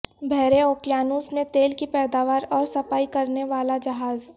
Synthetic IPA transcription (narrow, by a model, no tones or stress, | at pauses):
bʱɛːɾeoːkljaːnuːsmẽt̪eːlkipɛːd̪aːʋaːɾɔːɾsɐfaːikɐɾneʋaːlad͡ʒɐɦaːz